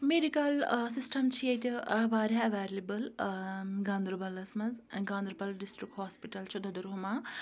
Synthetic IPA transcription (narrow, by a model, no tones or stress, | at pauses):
meɖikɐlsisʈɐmt͡sʰijejt̪iʋaːɾaɐʋaːlebɐl | ɡand̪ɾubɐlːɐsmɐzɡand̪ɾubɐlɖisʈɾikɦoːspiʈɐlt͡ʃʰud̪ʱɐd̪uɾɦuma